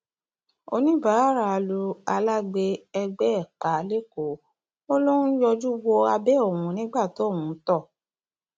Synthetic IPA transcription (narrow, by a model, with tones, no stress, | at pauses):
o˧nĩ˦ba˨˦a˦ɾa˨˧˨lu˧a˧la˦ɡ͡be˧ɛ˧ɡ͡bɛ˦ɛ˦˨k͡pa˨˦le˦ko˨ | o˦lo˦ũ˦jɔ˧d͡ʒu˦wo˧a˧bɛ˦o˨wũ˨˦nĩ˦ɡ͡ba˦˨to˨˦˨wũ˨˦tɔ˦˨